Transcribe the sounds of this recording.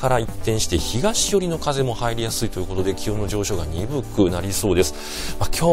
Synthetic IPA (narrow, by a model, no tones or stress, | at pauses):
kaɾait̪ːẽ̞ɰ̃ɕi̥t̪e̞çiɡaɕijo̞ɾʲino̞kaze̞mo̞haiɾʲijasɨit̪o̞jɯ̟kot̪o̞d̪e̞kʲiɯ̃nːo̞ʑo̞ːɕo̞ɡaɲʲibɯ̟kːɯ̟naɾʲiso̞ːd̪e̞sɨ̥ | makʲo̞ː